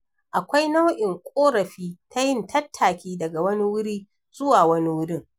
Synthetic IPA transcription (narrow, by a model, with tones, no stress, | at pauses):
ʔa˨kʷa˦jna˦wʔɪ˨ŋkʷʼoː˦ɾɐ˨ɸiː˦tʰa˦jɪ˦˨ntʰɐ˦tʰːaː˨kʲiː˦dɐ˨ɡa˨wɐ˦ni˦wʊ˦ɽiː˦ | z̥ʊ˦waː˨wɐ˦ni˦wʊ˦ɽɪ˦˨ŋ